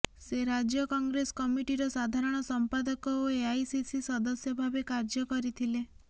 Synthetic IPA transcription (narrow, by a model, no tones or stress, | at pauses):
seɾad͡ʒjɔkɔŋɡɾesɔ̥kɔmiʈiɾɔsad̪ʱaɾɔɽ̃ɔsɔmpad̪ɔkɔoeajsisisɔd̪ɔsjɔbʱabekaɾd͡ʒjɔkɔɾit̪ʰile